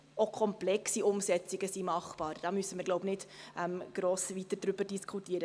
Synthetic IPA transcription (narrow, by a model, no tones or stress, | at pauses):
okʰɔmplɛksiʊmsɛt͡siɡ̥əsimɑχpɑːɾd̥ɑmysəməɾɡloʊpnɪdʔɛmɡ̥ɾoːsʋitəd̥ɾʏbərd̥iskʰχutiəɾə